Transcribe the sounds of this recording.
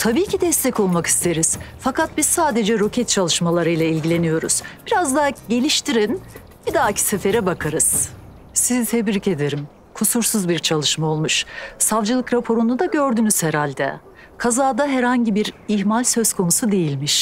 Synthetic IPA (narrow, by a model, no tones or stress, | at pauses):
t̪ʰabiːcʰid̪ɛst̪ʰɛco̞lˠmaki̥st̪ʰe̞ɾiz̥fakat̪̚biz̥saːd̪e̞d͡ʒɛɾo̞cʰɛt̪̚t͡ʃʰalˠɯʃmalˠaɾɯjlˠailʲɟilʲe̞nijo̞ɾṵz̥b̥iɾazd̪aːɟe̞lʲiʃt̪ʰiɾin | b̥id̪aːcʰi̥sɛfeɾɛbakʰaɾɯz̥ | sizit̪ʰɛbɾice̞d̪e̞ɾim | kʰusuɾsuzbiɾt͡ʃʰalˠɯʃmaolˠmuʃsavd͡ʒɯlˠɯkɾapʰo̞ɾunud̪aɟø̞ɾd̪ynyz̥hɛɾalʲd̪ɛ̰ | kʰazaːd̪aɦɛɾhaɲɟibiɾiçmalʲsø̞zkʰo̞nusud̪e̞jilʲmiʃ